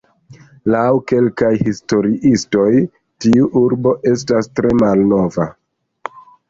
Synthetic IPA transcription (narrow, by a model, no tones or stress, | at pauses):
lawke̞lkajhisto̞ɾiʔisto̞j | tiuʔuɾbo̞ʔe̞stastɾe̞malno̞va